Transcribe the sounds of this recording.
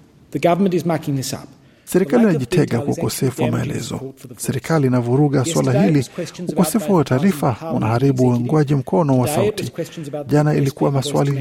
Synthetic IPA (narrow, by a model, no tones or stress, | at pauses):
ðɨɡʌvəmə̃ntɨzmækɪ̃ŋðɪsʌ̰p | sɛɾikaliːnaʄitʰɛɠakwaukɔsɛfuwamaɛlɛ̰zɔ̰sɛɾikʰaliːnavuɾuɠaswalaɦiliukɔsɛfuwataːɾifaunahaɾiɓuɛŋɡwaʄim̩kʰɔnɔwasautʰiʄanailikuwamaswa̰li